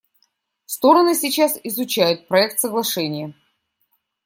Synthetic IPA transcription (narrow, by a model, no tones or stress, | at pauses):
fst̪o̞ɾənɨsʲɪt͡ɕasɪzʊt͡ɕæjʊt̪̚pɾɐɛk̚t̪səɡlˠɐʂɛnʲɪjə